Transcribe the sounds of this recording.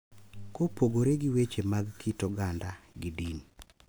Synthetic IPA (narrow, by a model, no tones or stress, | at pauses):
kopoɡoɾeɡɪwet͡ʃemaɡkitɔɡandaɡɪdin